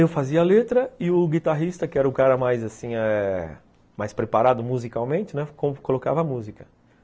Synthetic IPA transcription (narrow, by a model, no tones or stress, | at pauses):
ewfaziɐalet̪ɾɐɪʊɡit̪aɦist̪ɐkɪɛɾɐʊkaɾɐmajzasĩɛ | majspɾepaɾad̪ʊmuzikawmẽnt͡ʃɪnɛkõmʊkoloka̰vɐmuzikɐ̥